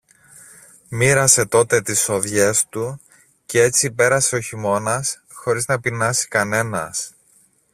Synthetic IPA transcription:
miɾɐse̞t̪o̞t̪e̞t̪iso̞ðʝe̞st̪u | cee̞t͡sipe̞ɾɐseoçimo̞nɐs | xo̞ɾiznɐpinɐsi̥kɐne̞nɐ̰s

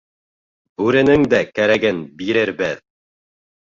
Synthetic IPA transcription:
ʉɾɘ̆nɘŋd̪ækæɾæɡɘnbiɾɘɾbɘð

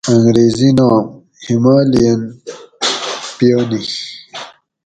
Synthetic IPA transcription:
ɐŋɡɾeːzinaːm | himaːlijɐn | pjoni

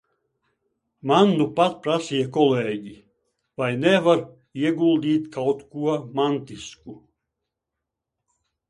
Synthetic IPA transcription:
mand̪upat̪̚pɾasiːjakɔleːɟi | vajnɛvaɾ | iɛɡulˠd̪iːt̪kʰawt̪kuɔmant̪isku

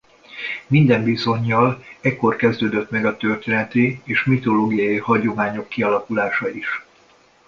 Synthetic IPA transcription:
mind̪ɛɱbiso̞ɲːɒlɛcːo̞rkɛzd̪øːd̪øt̪mɛɡɒt̪ːø̞rt̪eːnɛt̪ieːʃmit̪o̞loːɡijɒjihɒɟo̞maːɲo̞kːiɒlɒkulaːʃɒiʃ

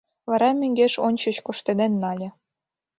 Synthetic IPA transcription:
βɑɾɑmʲĕŋɡeʃonʲt͡ɕɤ̆t͡ɕkoʃt̪ed̪enːɑlʲĕ

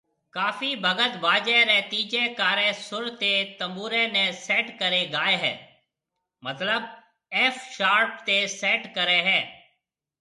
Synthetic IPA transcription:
kaːfiːbʱəɡət̪ʋaːd͡ʒeɾet̪iːd͡ʒekaːɾẽsʊɾt̪et̪əmbuːɾẽnẽsɛːʈkəɾeɡaːeɦɛ̰ː | mət̪ləb | ɛːfʃaːɾpt̪esɛːʈkəɾeːɦɛː

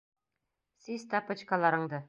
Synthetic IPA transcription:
sizt̪ɑpɤ̆t͡ɕkɑlˠɑɾɤ̆ɴd̪ɤ

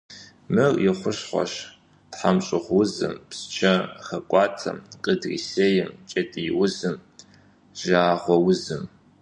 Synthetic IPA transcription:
mɨrjɪχʷʊɕχʷɔ̰ɕ | tħamɕʼɪχʷwʊzɨ̰mpst͡ʃʰɐχɐkʷʼɑːtʰɐ̰mqʼədrḭseːjɪmt͡ʃʼɐtʼijɪwʊzɨm | ʒaːʁʷɔwʊzɨm

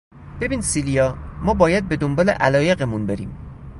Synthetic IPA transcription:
b̥e̞biːnd̪silijɒːmɒːbɒːjæd̪̚be̞d̪ombɒːlḛʔælɒːje̞ɣemunbeɾiːm

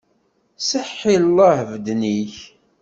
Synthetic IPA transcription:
səħːillˤːɑhvəd̪niç

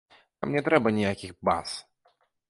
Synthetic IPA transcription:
t̪a̰mnʲɛt̪ɾɛbɐnʲijakʲiɣba̰s

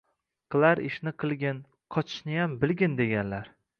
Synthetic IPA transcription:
qʰɨlˠaɾɪ̰ʃnɪqʰɨlˠɡʲɪn | qʰɒt͡ʃʰɪ̥ʃnɪjambɪlˠɡʲɪnd̪e̞ɡʲanlaɾ

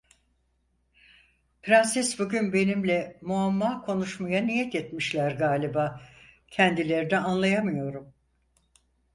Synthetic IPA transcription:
pɾansɛsbuɟynbe̞nimlʲɛmuamːaːkʰo̞nuʃmajanijɛt̪ɛt̪miʃlʲæɾɡaːlʲibaː | cʰɛnd̪ilʲe̞ɾinɛanlˠajamɯjo̞ɾum

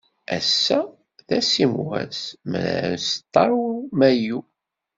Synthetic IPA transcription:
æ̰sːæ | ðæsimwæ̰smə̰n̰ɾənst̪ˤːɑɾˤumæju

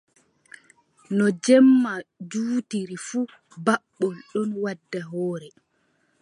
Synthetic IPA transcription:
nɔd͡ʒɛmːad͡ʒuːtiɾifuː | baɓːɔlɗɔnwadːaɦɔːɾɛ

